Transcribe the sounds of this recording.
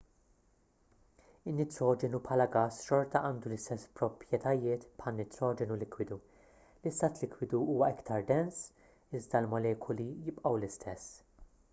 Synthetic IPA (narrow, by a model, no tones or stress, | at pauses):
ɪnːɪt̪ɾɔːd͡ʒɛnupħɐːlɐɡɐsʃɔɾt̪ɐʔɐːnd̪ulɪst̪ɛspɾɔpɾjɛt̪ɐjɪːt̪pħɐlnɪt̪ɾɔːd͡ʒɛnulɪkwɪd̪u | lɪst̪ːɐt̪lɪkwɪd̪uuːwɐɪkt̪ɐɾd̪ɛns | ɪzd̪ɐlmɐlɛːkʰʊlijɪpʔɐwlɪst̪ʰɛsː